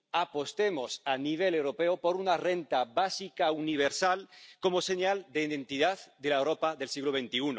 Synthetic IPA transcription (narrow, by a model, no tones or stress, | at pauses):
apo̞st̪emosaniβ̞elewɾopeopoɾunarent̪aβasikauniβ̞eɾsalkomoseɲald̪eiðẽ̞nt̪iðaðd̪elaewɾopaðelsiɣloβ̞ent̪iuno